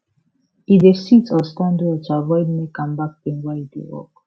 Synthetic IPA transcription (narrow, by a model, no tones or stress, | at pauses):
ĩdesitʰɔstãndɔtuavɔɪdmekãmbak̚tĩnwaidḛwɔ̰k